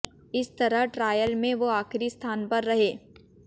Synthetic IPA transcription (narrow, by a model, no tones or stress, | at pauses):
ɪst̪ɐɾəɦʈɾaːjəlmẽʋoaːxɪɾist̪ʰaːnpɐɾːɐɦeː